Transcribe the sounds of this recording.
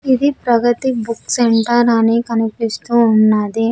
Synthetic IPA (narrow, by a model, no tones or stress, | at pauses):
id̪ipɾɐɡɐt̪ibukseɳʈɐɾɐnikɐnipist̪uːnːaːd̪i